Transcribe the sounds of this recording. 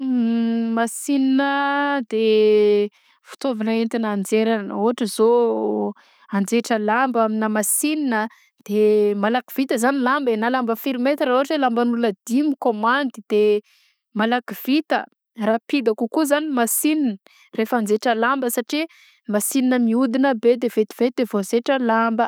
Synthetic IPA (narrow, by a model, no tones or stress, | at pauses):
masininəd̪e | fu̥t̪ovinent̪inand͡zeɾanəuɦaʈ͡ʂəzo | and͡zeʈ͡ʂəlambaminəmasininə | d̪̥emalaki̥v̥it̪əzanilambenalambəfiɾimet̪ɾauɦaʈ͡ʂelambanuləd̪imikomand̪id̪̥e | malakiv̥it̪ə | rapid̪akukuzanimasininə | refand͡zeʈ͡ʂəlambəsaʈ͡ʂi | masininəmiud̪inəbed̪evet̪i̥v̥et̪̚d̪evozeʈ͡ʂəlambə